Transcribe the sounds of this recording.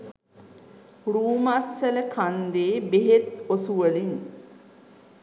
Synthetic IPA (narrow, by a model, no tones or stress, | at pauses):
ruːmasːələkʰand̪eːbeɦet̪osuʋəlin